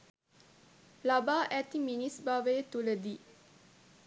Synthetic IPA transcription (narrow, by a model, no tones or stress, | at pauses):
labaːʔɛt̪iminisbaʋet̪uləd̪i